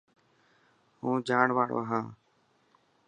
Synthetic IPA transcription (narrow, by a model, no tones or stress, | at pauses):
hũːd͡ʒaːɳʋaːɽo̰ːɦãː